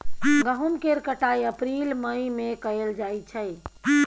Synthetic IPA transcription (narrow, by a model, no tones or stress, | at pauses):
ɡəɦumkeɾkəʈajəpɾilməjmekəeld͡ʒajt͡ʃʰəj